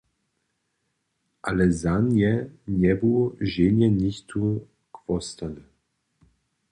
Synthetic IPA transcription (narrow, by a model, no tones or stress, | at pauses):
ʔa̰lɛzanjɛnɛbuʒenjɛnixt̪ʰu | kvɔst̪an